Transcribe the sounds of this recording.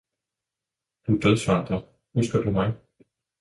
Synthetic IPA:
hund̥øðˠsʋɑːd̥ʁɐ | husɡ̥ɐd̥umɑ̈ɪ

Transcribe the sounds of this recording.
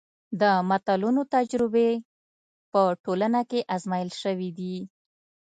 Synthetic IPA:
d̪əmat̪alunot̪ad͡ʒɾɪbe | pəʈolanakeʔazmajəlʃəwid̪i

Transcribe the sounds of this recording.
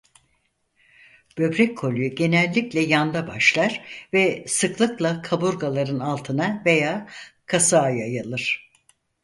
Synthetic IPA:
b̥ø̞bɾɛcʰːo̞lʲjyɟe̞nɛlʲːiclʲɛjand̪abaʃlˠaɾvɛsɯklˠɯklˠakʰabuɾɡalˠaɾɯnalˠt̪ʰɯnave̞jaːkʰasaːjajalˠɯɾ̥

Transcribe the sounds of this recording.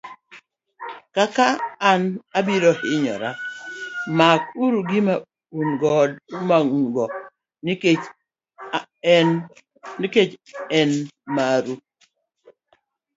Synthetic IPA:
kakaːnabiɾɔhɪɲɔ̰ɾa | mak̚uɾuɡɪma | unɡɔdumaŋɡɔ | n | nɪket͡ʃɛnmaɾu

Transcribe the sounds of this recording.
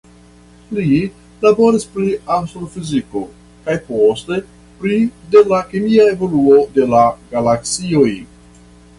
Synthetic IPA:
li | labo̞ɾispɾianst̪ɾofiziko̞ | kajpo̞ste̞ | pɾide̞lakemiae̞vo̞luo̞de̞laɡalaksio̞j

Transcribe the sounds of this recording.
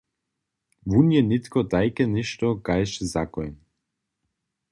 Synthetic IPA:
vunjɛnɪt̪kɔt̪ajkɛnɪʃt̪ɔkajʃɛzakɔjn

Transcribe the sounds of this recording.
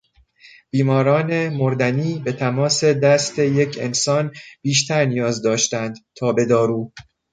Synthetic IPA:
b̥iːmɒːɾɒːne̞moɾd̪æniːbe̞t̪ʰæmɒːse̞d̪æst̪ʰe̞je̞cʰe̞̰nsɒːnb̥iːʃt̪ʰæɾnijɒːzd̪ɒːʃt̪ænd̪̥t̪ʰɒːbe̞d̪ɒːɾuː

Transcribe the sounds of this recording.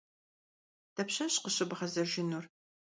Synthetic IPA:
tʰɐpɕɐɕqəɕɪbʁɐzɐʒɪnur

